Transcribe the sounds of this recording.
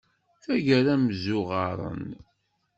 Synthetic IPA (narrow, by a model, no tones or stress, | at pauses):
θæʝæɾæməzʊʁɑɾˤə̰n